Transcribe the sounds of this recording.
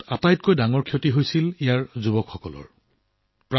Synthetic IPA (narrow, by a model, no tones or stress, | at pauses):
atajt̚kojdaŋɔɹkʰiotiɦojsilijaɹzubɔkxɔkɔ̰lɔ̰ɹ | pɹa